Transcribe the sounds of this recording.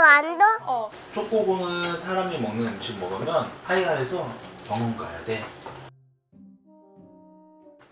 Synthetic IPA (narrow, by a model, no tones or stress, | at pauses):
aɾida | t͡ɕ͈ok͈̚obonɯnsʰaɾamimʌŋnɯnt͡ɕʰimmʌɡɯmjʌnhaiɦaesʰʌpʌŋɯnɡaja̰de̞